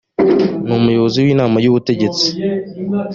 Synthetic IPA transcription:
numujo̞βo̞ziwiːnaːmajuβute̞ɟe̞t͡si̥

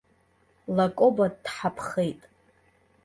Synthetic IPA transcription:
lakʼobaddħapʰχejtʼ

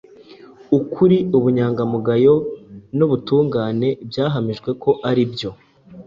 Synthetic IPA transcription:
ukʰuɾiuβuɲaːŋɡamuɡajo̞noβutuːŋɡaːne̞bɟaːɦamiʒɡwe̞kʰo̞ʔaɾibjo̞

